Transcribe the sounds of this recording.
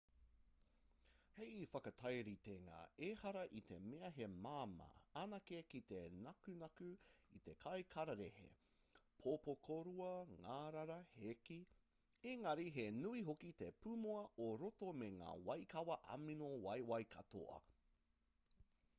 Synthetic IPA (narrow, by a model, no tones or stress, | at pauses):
hejifɐkɐtʰɐjɾit̪eŋa̰ːehɐɾɐʔit̪ʰe̞̰meɐɦe̞maːmɐ̰anɐkekit̪enɐkʉnɐkʉit̪e̞kʰɐjkʰɐɾɐɾehḛ | pʰopokʰoɾuɐŋaːɾaɾɐheki | eŋɐɾiɦenuiɦokit̪epumoɐʔoɾotomeŋa̰ːwɐjkɐwɐʔɐ̰minowɐjwɐjkʰɐto̰ɐ̰